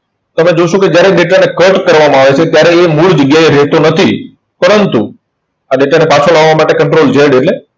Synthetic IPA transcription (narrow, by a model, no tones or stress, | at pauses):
t̪əmed͡ʒoʃõked͡ʒjaɾeɗeʈanekəʈkəɾʋamãaʋet͡ʃʰet̪jaɾeːmuɭd͡ʒəɡjaeɾɛt̪onət̪ʰi | pəɾənt̪ṵ | aɗeʈanepat͡ʃʰolaʋʋamaʈekəɳʈɾold͡ʒeɽeʈle